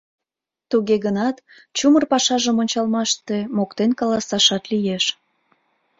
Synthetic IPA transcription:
t̪uɣeɣənɑt̪ | t͡ɕumərpɑʃɑʒəmonʲt͡ɕɑlmɑʃt̪e̽mokt̪enkɑlɑsɑʃɑt̪lijeʃ

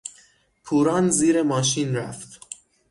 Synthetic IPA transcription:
pʰuːɾɑnziːɾemɒːʃ̬inɾæft̪

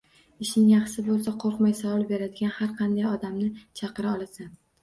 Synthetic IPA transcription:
ɪʃnɪŋjɑχsɪbolˠsaqʰoɾqmajsawɒlˠbe̞ɾad̪ɪɡʲanhaɾqʰɑnd̪ajɒd̪amnɪt͡ʃʰɑqɨɾaɒlˠasa

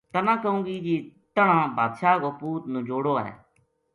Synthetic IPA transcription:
t̪ənãːkəũːɡiːd͡ʒiːt̪əɳãːbʱaːd̪ʃaːɡoːpuːt̪nũːd͡ʒoːɽoːɛ̰ː

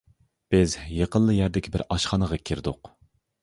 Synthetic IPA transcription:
b̥ɪzjeqənlˠəjæɾd̪ɪkʲʰibɪɾɑʃχɑnəʁɑkʲʰiɾd̪ʊ̰q

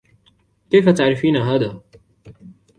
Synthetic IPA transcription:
keːfɐt̪aʕɾifiːnaɦaːd̪a

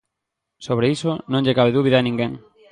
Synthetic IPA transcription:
soβɾeisʊnõŋʎekaβeðuβiðanĩŋɡeŋ

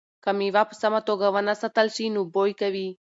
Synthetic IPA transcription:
kɐmiʋapsɐmɐt̪oɡɐʋɐnɐsɐt̪ɐlsinubojkɐʋi

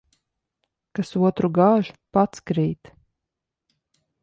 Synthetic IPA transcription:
kasuɔt̪ɾuɡaːʒu̥pat̪skɾiːt̪

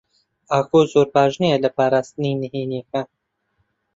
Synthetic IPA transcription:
aːkozoːɾpɑːʒnijɛlɐpɑːɾaːst̪ɨninɨɦeniekɐ

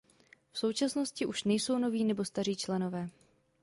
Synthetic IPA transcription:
fso̞wt͡ʃasno̞scɪʔuʃnɛjso̞wno̞viːnɛbo̞st̪ar̝iːt͡ʃlɛno̞vɛː

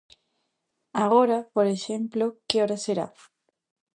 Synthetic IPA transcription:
aɣoɾapoɾeʃemplokeoɾaseɾa̰

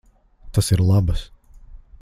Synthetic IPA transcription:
t̪asiɾlˠabɨs

